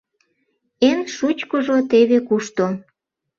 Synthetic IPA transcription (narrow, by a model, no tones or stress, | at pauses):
enʃut͡ɕkəʒot̪eβekuʃt̪o